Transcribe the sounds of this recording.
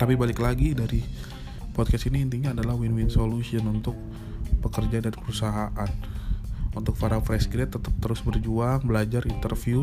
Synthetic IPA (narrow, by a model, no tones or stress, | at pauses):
t̪apibalɪklaɡidaɾi | pɔd̪̚kɛsiniːnt̪iɲaːdalahwinwinsolusiənunt̪ʊk̚ | pəkərd͡ʒadaɾipəɾusaɦaʔan | unt̪ʊk̚faɾafɾɛsɡɾɛt̪ːət̪əp̚t̪əɾʊsbərd͡ʒuaŋbəlad͡ʒaɾint̪ərfiu